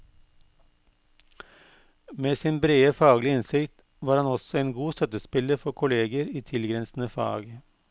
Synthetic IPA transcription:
meːsɪːnbɾeːəfɑːɡlɪɪnsɪkt̪ | ʋɑːɾhɑnɔsɔeːnɡuːst̪œt̪əspɪləɾfɔkʰʊleːɡəɾiːt̪ʰɪlɡɾɛnsn̩əfɑ̰ːɡ

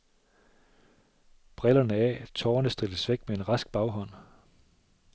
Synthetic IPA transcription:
b̥ʁɛlɐnəɛ̰t͡sʰɒːnəsd̥ʁiləsʋeɡ̥̚mee̝nʁɑ̈sɡ̥̚b̥ɑ̈ʊɦɒ̽n̰

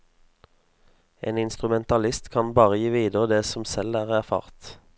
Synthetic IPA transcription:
ḛːnɪnst̪ʁʉmɛnt̪ɑlɪst̪kʰɑnbɑːʁəjiːʋiːd̪əʁəd̪eːsɔmsɛlæːʁæʁfɑ̰ːʁt̪

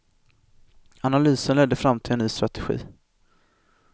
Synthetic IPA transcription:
analyːsənlɛd̪ːəfɾamːt̪ʰɪlɛnːyːst̪ɾat̪ɛɧḭː

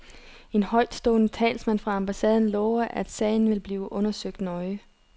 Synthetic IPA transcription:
e̝nhɒ̽ɪd̥sd̥ɔ̰ːnət͡sʰɛ̰ːlsmæn̰fʁɑ̈ɑ̈mb̥æsɛːð̞ˠn̩lɔːʊɐʔæd̥sɛ̰ːɪn̩ʋe̝lb̥liːʊʔɔ̽nɐsøɡ̥̚d̥nɒ̽ɪə

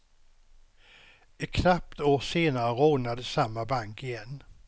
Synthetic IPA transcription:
ɪkʰnap̚t̪oːseːnaɾəɾoːnad̪əsamːabaŋkɪjɛnː

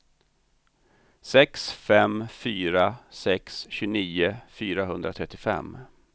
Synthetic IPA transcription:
sɛksfɛmfyːɾasɛksɕɵniːʊfyːɾaɦɵnd̪ɾat̪ʰɾɛt̪ːɪfɛ̰mː

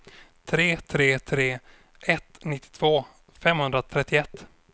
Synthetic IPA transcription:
t̪ʰɾeːt̪ʰɾeːt̪ʰɾeː | ʔɛt̪nɪt̪ʰːɪ̥t̪ʰv̥oː | fɛmhɵnd̪ɾat̪ʰɾɛt̪ːɪɛt̪ː

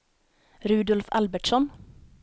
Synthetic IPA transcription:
ɾʉːd̪ɔlfɑ̰lbəʈʃɔn

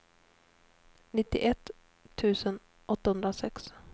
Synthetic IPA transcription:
nɪt̪ːɪ̰ʔɛt̪ʰː | ʉ̟ːsən | ʔɔt̪ːahɵnd̪ɾasɛks

